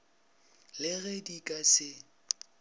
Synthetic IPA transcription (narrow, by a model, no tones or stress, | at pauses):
lɪɣedikʼasɪ